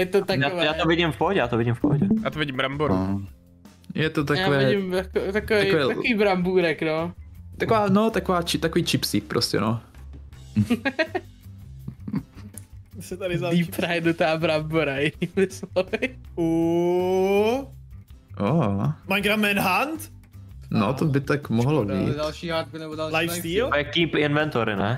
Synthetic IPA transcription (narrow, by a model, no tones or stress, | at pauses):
jɛt̪ot̪akjavɛjaːovɪɟɪmfpoɦɔɟɛjaːt̪ovɪɟɪmfpoɦɔɟɛja̰ːt̪ovɪɟɪmbɾamboɾ̰ | jɛt̪ot̪̬ajakoːvɛɪːɟɪmt̪akot̪akovɛɛːt̪akiːbɾambuːɾɛknot̪akovaːnot̪akovaːt͡ʃɪt̪akoviːt͡ʃɪpsiːk̚pɾʔoscɛ̰no | sɛt̪adɪzaipɾajdut̪aːbɾambuɾajɪniːmɪslɔvɪu | ʔomaɡɾamɛnɦant̪ | not̪obɪt̪akmoɦlobḭːdalʃiːɦaɾt̪̚kunɛbodallajfd̪iːlvɛkiːpɪnvɛnt̪oɾɪ̰nɛ